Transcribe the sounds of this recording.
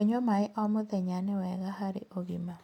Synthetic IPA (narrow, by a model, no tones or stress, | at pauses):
ɲɔmaɪʔɔmʊðɛɲanɛwɛɡahaɾɪ̰ʔoɡima